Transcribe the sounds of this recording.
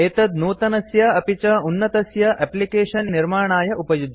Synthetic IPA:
eːt̪ɐd̪nuːt̪ɐnɐsjɐɐpit͡ʃɐunːɐt̪ɐsjɐʔɛplikeːʃɐnːiɾmaːɳaːjɐʔupɐjud̪ʱ

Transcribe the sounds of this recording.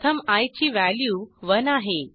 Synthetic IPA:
t̪ʰəmajt͡ɕiːʋæljuːʋənaɦe

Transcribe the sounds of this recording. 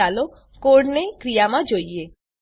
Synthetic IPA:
alo | koɽnekɾijamãd͡ʒoie

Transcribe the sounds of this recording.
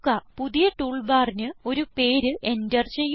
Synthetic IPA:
kːɐpuðijɐʈuːɭbaːrinɨo̞ɾupe̞ːɾɨʔe̞ndɐrt͡ɕejː

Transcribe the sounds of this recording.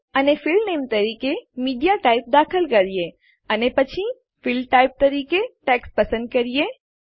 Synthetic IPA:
ənefɪlnemt̪əɾiːkemiːɖijaʈaip̚d̪akʰəlkəɾije | ənepət͡ʃʰi | fɪlʈaip̚t̪əɾiːkeʈɛkspəsə̃nd̪̚kəɾije

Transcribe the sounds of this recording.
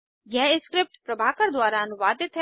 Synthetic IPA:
jɛɦɪskɾɪp̚ʈpɾɐbʱaːkəɾd̪waːɾaɐnʊʋaːd̪ɪt̪ɦɛ

